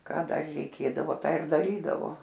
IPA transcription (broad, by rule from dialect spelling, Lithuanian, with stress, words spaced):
ˈkɑː ˈdɐr rʲɛɪˈkʲeːdɐʋoː ˈtɑː ɪr dɐˈrʲiːdɐʋoː